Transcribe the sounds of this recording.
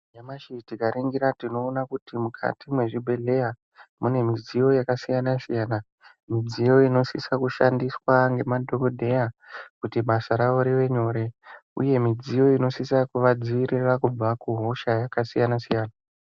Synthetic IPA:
jamaʃitikaɾiŋɡiɾatino̞ːnakutimukʰa̰timwe̞ʐibʱe̞ɮe̞ja | mune̞mid͡zijo̞jakasijanasijaːna | mid͡zijo̞ino̞sisakuʃandiswaŋɡe̞madʱoɡodʱe̞jakutiɓasaɾaʋoɾiʋe̞ɲo̞ːɾe̞ṵje̞mid͡zijo̞ino̞sisakuʋad͡ziʋirirakub͡vakuɦo̞ʃajakasijanasijaːna

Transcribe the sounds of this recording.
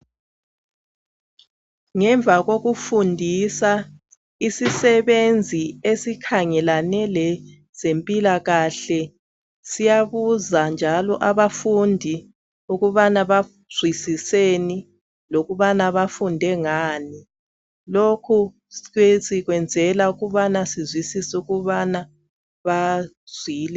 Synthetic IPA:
ŋɛɱvʱaɣoɣufundʱisa | isisɛβend͡zʱiesikʰaŋɛlanɛlɛ | z̥empʼilaɣaɬɛ | sijaβuzand͡ʒʱalɔ̰ʔaβafundʱi | uɣuβanaβa | z̥wisiseni | loɣuβanaβafundʱɛŋaːni | lokʰu | sɛsiɣwɛnd͡zʱɛlauɣuβanasizwisisuɣuβana | βa | z̥wiːlɛ

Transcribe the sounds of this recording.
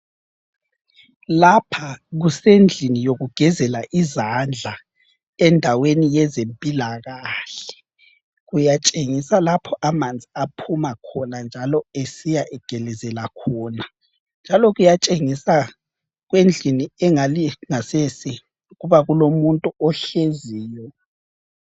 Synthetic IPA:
lapʰaɣusend͡ɮʱinijoɣuɡ̥ʱɛzɛlaʔizand͡ɮʱa | ɛndʱawenijɛzempʼilaɣaɬɛ̥ | ɣujat͡ʃʼeŋisalapʰɔʔamand͡zʱiapʰumakʰɔnand͡ʒʱalɔesijaʔɛɡ̥ʱɛlɛzɛlakʰɔːna | nd͡ʒʱalɔɣujat͡ʃʼeŋisa | ɣwend͡ɮʱiniɛŋaliŋasesi | ɣuβaɣulomuntʼuɔɬeziːjɔ

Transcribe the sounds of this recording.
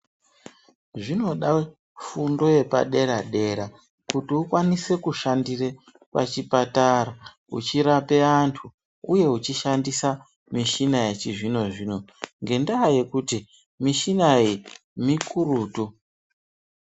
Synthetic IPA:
ʐino̞ɗa | fundo̞je̞pa̰ɗe̞ɾaɗe̞ɾa | kutiukwanise̞kuʃandire | kwa̰t͡ʃipataɾa | ṵt͡ʃiɾape̞antʰu | uje̞ut͡ʃiʃandisa | miʃinajet͡ʃiʐino̞ʐiːno̞ŋɡe̞ndaːje̞kuti | miʃinai | mikuruːtu

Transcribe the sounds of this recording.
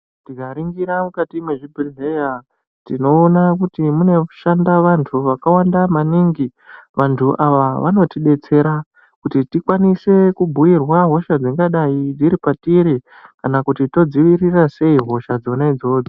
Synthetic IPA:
tiɡaɾiŋɡiɾamukatimeʐibʱieja | tino̞ːnakutimune̞ʃandaʋantʰuʋakawandamaniŋɡi | ʋantʰuʔaʋaʋano̞tiɗe̞t͡se̞ɾa | kutitikwanise̞kubʱuirwaɦo̞ʃad͡ziŋɡaɗaid͡ziɾipatiɾi | kanakutito̞d͡ziʋirirase̞iɦo̞ʃad͡zo̞naid͡zo̞ːd͡zo

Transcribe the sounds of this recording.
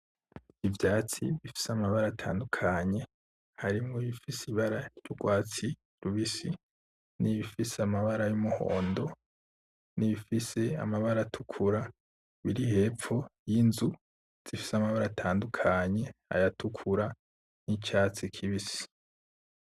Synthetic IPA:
ivjaːt͡sḭβifi̥seamaβaɾatʰa̰ːndukʰaɲe̞ | haɾimŋoiβifisiβaɾajuɡwaːt͡si | ɾuβisi | niβifiseamaβaɾajumuho̞̰ːndo̞ | niβifise̞a̰maβaɾatʰukʰuɾa | βiɾihe̞ːp͡fo̞jinzu | z̥ifi̥seamaβaɾatʰaːndukʰaɲe̞a̰jatʰukʰuɾa | nit͡ʃaːt͡sikʰiβisi̥

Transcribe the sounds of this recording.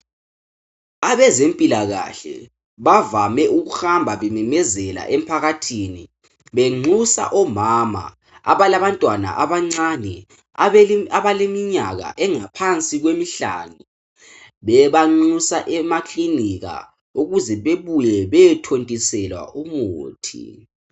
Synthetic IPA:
aβɛzempʼilaɣa̰ɬɛ̰ | βavamɛʔuɣuxambʱaβɛmɛmɛzɛla̰ʔem̩pʰaɣatʰiːni | βeŋ͡ǀʱusa̰ʔɔmama̰ | a̰βalaβantʼwana̰ʔaβaŋ͡ǀanɛ | aβalemiɲaɣa̰ʔɛŋapʰant͡sʼiɣwemiɬa̰nu | βɛβaŋ͡ǀusaʔɛmakʰʼliniɣa̰ | uɣuzɛβeβujɛβɛjɛtʰontʼisɛlwa̰ʔumuːtʰḭ

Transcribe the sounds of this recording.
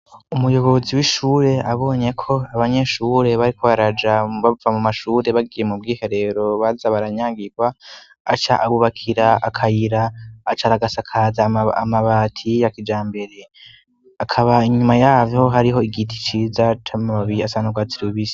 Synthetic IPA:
umujo̞βo̞ziwiʃuːɾe̞aβo̞ːɲe̞kʰo̞aβaɲe̞ʃuɾe̞βaɾikʰoβaɾad͡ʒaβavamumaʃuːɾe̞βaɡiːje̞mub̚ɡiːhe̞ɾe̞ɾo̞βazaβaɾaɲaːŋɡiɡwa | at͡ʃaʔaβuβakʰiɾaʔa̰kʰajiɾaːt͡ʃaɾaɡasakʰazaa̰maβatʰijakid͡ʒaːmbe̞ɾe̞ | akʰaβaiɲumajaːvjo̞ɦaɾiɦo̞iɡitʰi̥t͡ʃiːzatʰamamaβiɾiasanuɡwat͡siɾiβisi̥

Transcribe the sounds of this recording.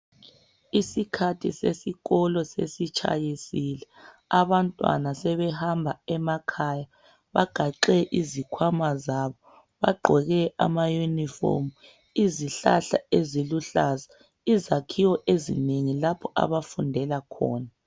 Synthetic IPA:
isikʰatʰḭsesiɣɔlɔsḛsit͡ʃʰa̰jisilɛ | aβantʼwa̰nasɛβɛhambʱaɛmakʰaːja | βaɡ̥ʱaǃɛʔizikʰwamazaːβɔ | βa̰ɡ͡ǃʱɔɣɛʔa̰majunifo̰mu | iziɬaɬa̰eziluɬaːza | izakʰiwɔʔezḭneŋilapʰɔʔa̰βafundʱɛlakʰɔ̰ːna

